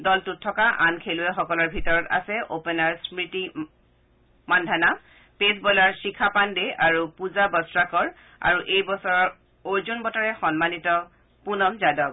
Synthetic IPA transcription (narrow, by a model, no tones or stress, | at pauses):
dɔltutʰːɔkaʔankʰeluɛxɔkɔlɔɹbʱitɔɹɔta̰sɛʔopɛnaɹsmɹiti | mandʱana | pesbɔlaɹsikʰapandeaɹupuzabɔsɹakɔɹ | a̰ɹuʔejbɔsɔɹɔɹ | ojzonbɔtaɹɛxɔnmanitɔ | punɔmzadɔk̚